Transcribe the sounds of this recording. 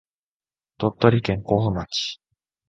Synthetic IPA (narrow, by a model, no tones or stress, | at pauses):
t̪ot̪ːoɾʲikẽ̞ŋkoːnɯmaki̥